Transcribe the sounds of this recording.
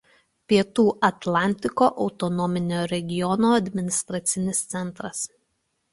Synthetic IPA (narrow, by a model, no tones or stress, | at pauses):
pʲiɛt̪uːʔɐt̪lʲˠɑˑnʲt̪ʲɪkoːʔɒʊt̪ɔnɔmʲɪnʲoːɾʲɛɡʲɪjɔnoːɐd̪ʲmʲɪnʲɪst̪ɾɐt̪sʲɪnʲɪst̪sʲɛnˑt̪ɾɐs